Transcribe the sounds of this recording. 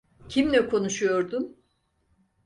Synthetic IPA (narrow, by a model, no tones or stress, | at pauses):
cʰimlʲɛkʰo̞nuʃujo̞ɾd̪um